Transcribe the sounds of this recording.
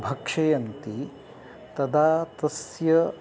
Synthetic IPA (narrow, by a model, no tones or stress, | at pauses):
bʱɐkʂɐjɐnt̪i | t̪ɐd̪aːt̪ɐsjɐ